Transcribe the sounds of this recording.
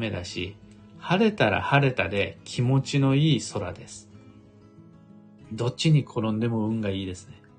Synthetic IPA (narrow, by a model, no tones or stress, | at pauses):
me̞d̪aɕḭ | haɾe̞t̪aɾa̰haɾe̞t̪ad̪e̞kʲʰimo̞t͡ɕino̞iːso̞ɾa̰d̪e̞sɨ̥ | d̪o̞t͡ɕːiɲ̟ikʰo̞ɾõ̞nd̪e̞mo̞ɯ̟̃ŋɡaiːd̪e̞sɨ̥ne̞